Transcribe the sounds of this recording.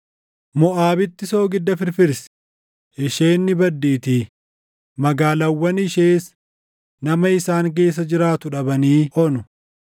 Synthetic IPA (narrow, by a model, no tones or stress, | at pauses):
mɔʔaːbɪt̪ːɪso̞ːɡɪd̪ːɐfɪɾfɪɾs | ɪʃe̞ːnːɪbɐd̪ːiːt̪iː | mɐɡaːlɐwːɐnɪʃeːs | nɐmɐɪsaːŋk̬e̞ːs̬ːɐd͡ʒɪɾaːt̪ʊᶑɐbɐniːʔɔnʊ